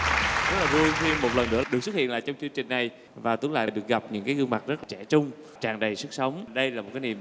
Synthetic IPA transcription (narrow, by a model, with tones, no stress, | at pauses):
zə˦˥laː˨˩vu˧jxi˧mo˨˩t̚lə˨˩nːɨ̰˧˥əɗɨ˨˩k̚sw̚hḭ˧˨əlaː˧˨jt͡ɕɔ˧wŋ͡mt͡ɕɨ˧ŋt͡ɕï˨˩ŋ̟na˨˩j | vaː˨˩t̪ɨ̰˨˦əŋla̰ː˧˨˩ɗɨ˨˩ək̚ɣa˨˩p̚ɲɨ̰˧˥ŋkaː˨˦ɣɨ˧ŋma˨˩t̚zə˦˥la˨˩t͡ɕɛ˧˩t͡ɕʊ˧ŋ͡m | t͡ɕaː˨˩ŋɗə˨˩jsɨ˦˥k̚sə˨˦wŋ͡mɗə˧jlaː˨˩mo˨˩kaː˨˦nḭ˧˨əm